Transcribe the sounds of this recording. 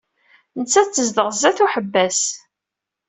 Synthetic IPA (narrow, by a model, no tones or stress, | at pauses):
nət͡sːæt͡sːəzd̪əʁzæθuħəbːæs